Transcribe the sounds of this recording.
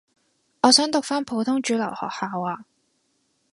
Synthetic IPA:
ʔɔː˨˧sœː˨˥ŋt̪ʊ˨k̚faː˥npʰo˨˥wt̪ʰʊ˥ŋt͡ʃyː˨˥lɐ˨˩whɔ̰ː˨k̚haː˨˧waː˧

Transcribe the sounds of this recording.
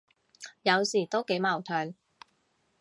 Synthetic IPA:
jɐ˨˧wsiː˨˩t̪o˥wke˨˥jmaː˨˩wt̪ʰœː˨˧ŋ

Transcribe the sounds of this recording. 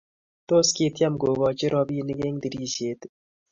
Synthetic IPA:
t̪oːske˧t̪jɐ˦mɡoː˨βɔː˨t͡ʃe˦ɾɔːbiː˦niɡe˦ŋd̪i˨ɾiːseːt̪

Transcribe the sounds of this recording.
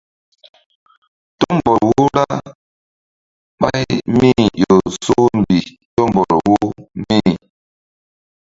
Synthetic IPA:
to˦m˨bɔ˨ɾwu˦ɾa˦ | ɓa˦jmi˦˨jo˨so˦m˨bi˨ | tɔ˦mbɔ˨ɾwu˦mi˦˨

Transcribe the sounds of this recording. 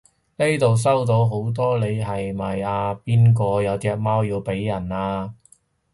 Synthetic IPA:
ne˥jt̪o˨ws̬ɐ˥wt̪o˨˥wɦo˨˥wt̪̬ɔː˥le˨˧jɦɐ˨jmɐː˨˩jaː˧piː˥nk̬ɔː˧jɐ˨˧wt͡sɛː˧k̚maː˥wjiː˧wpe˨˥jːɐ˨˩naː˧

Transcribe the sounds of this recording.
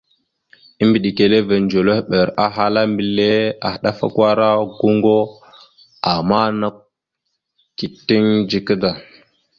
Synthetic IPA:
i˦mbi˨ɗi˨ke˨le˦ve˨nd͡ʒo˨lo˦hɓe˨ɾa˨ɦa˦la˦mbi˨le˦a̰˨xɗa˦fa̰˦kʷwa˦ɾa˦ɡu˦ŋɡo˦ | a˨ma˦na˦ | ki˨tːi˦ŋd͡ʒi˨kə˦da˨

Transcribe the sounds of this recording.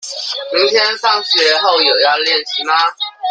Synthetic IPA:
mi˧˥ŋt̪ʰjɛ˥nsɑ˥˩ŋɕɥɛ˧˥xo˥˩ʊjo˨˩ʊja˥˧ljɛ˥˩nt͡ɕʰi˧˥ma˧

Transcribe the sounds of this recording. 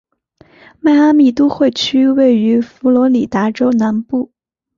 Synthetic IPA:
ma˥˩ɪa˥mi˥˩t̪u˥xwe˥˩ɪt͡ɕʰy˥we˥˩ɪy˧˥fu˧˥lwɔ˧˥li˨˩t̪a˧˥ʈ͡ʂo˥ʊna˧˥npu˥˩

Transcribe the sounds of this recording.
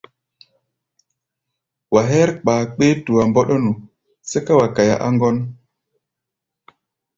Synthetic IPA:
wa˨ɦɛ˦ɾk͡paː˨k͡peː˦tu˨wa˨mbɔ˦ɗɔ˦nu˨ | se˦ka˦wa˨ka˨ja̰˨ʔa̰˦ŋɡɔ˦n

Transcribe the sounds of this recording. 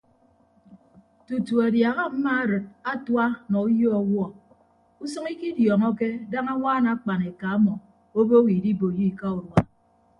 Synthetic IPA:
tu˨tu˨a˨dja˨ɣa˦m̩˦ma˦a˨ɾɨ˨t̚a˦twa˦nɔ˨u˦jo˦ɔ˨wɔ˦ | u˦sɔ˦ŋi˦ki˦djɔ˨ŋɔ˦ke˦da˦ŋa˦waː˦na˨˦k͡pa˨ne˨ka˨a˦mɔ˨ | o˦bo˦wi˨di˦bo˨ji˦˨ka˦u˨ɾwa˦

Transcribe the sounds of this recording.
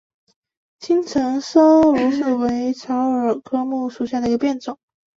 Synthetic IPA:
t͡ɕʰi˥ŋt͡sʰɤ˧˥ŋʂɤ˥ŋɻu˧˥s̩˥˩we˧˥ɪʈ͡ʂʰɑ˧˥ʊə˞˨˩kʰɤ˥mu˥˩ʂu˨˩ɕja˥˩d̪ə˩i˧˥ɡə˧pjɛ˥˩nt͡sʊ˨˩˦ŋ

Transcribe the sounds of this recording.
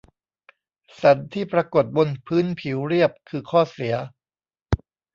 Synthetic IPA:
sa˩˦nt̪ʰiː˥˩pɾa˧ko˨˩t̪̚bo˧npʰɯː˦˥npʰi˩˦wɾi˥˩əp̚kʰɯː˧kʰɔː˥˩si˩˦ɐ

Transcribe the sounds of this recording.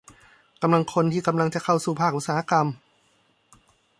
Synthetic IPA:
ka˧mla˧ŋkʰo˧nt̪ʰiː˥˩ka˧mla˧ŋt͡ɕa˨˩kʰa˥˩wsuː˨˩pʰaː˥˩k̚ʔu˧˥saː˧˦a˥˧˩ka˧m

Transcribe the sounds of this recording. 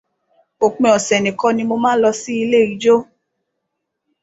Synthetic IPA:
o˨k͡pẽ˧˨ɔ˨sɛ˨nẽ˨kɔ˦nĩ˧mo˧mãː˦lɔ˧si˦i˧le˦˨ɾi˨d͡ʒo˦

